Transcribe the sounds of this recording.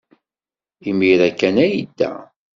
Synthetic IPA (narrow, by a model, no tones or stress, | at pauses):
imiɾækːænæjid̪ːæ̰